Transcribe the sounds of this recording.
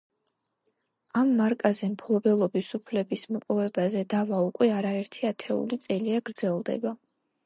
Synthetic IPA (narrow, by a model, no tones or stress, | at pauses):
amːaɾkʼazɛmpʰlˠɔbɛlˠɔbisupʰlɛbismɔpʼɔvɛbazɛd̪avaukʼwɛaɾaɛɾt̪ʰiat̪ʰɛṵlit̪sʼɛliaɡ̥ɾd̪zɛlˠd̪ɛ̰ba